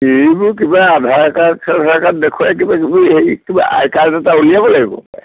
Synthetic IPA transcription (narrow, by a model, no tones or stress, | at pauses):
ebʊkibaːdʱaɹkakʰadʱakatdɛkʰuak̬ibakibiɦejkiba̰ʔa̰jkaɹtɛtaulijabɔlaɡibɔ̰